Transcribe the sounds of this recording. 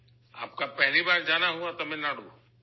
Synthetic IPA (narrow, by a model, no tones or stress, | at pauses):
a̰ːp̚kapɛɦlibaːɾd͡ʒaːnaɦuat̪ɐmẽnaːɽ̤o